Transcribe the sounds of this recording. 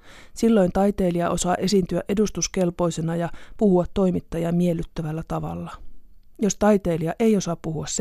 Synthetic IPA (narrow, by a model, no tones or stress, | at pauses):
silːo̞jnt̪ɑjt̪e̞ːliɑʔosɑːʔe̞sint̪yæʔe̞dust̪uske̞lpo̞jse̞nɑjɑpuhuɑt̪ːo̞jmit̪ːɑjɑmielːˑyt̪ːæʋælːæt̪ɑʋɑ̰lːɑ | jo̞st̪ɑjt̪e̞ːliɑʔe̞jo̞sɑppuhuɑss